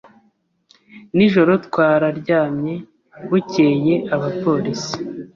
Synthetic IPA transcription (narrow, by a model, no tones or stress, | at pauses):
niʒo̞ɾo̞tkwaːɾaɾɟaːmɲe̞ | βuce̞ːje̞ʔaβapo̞ɾisi̥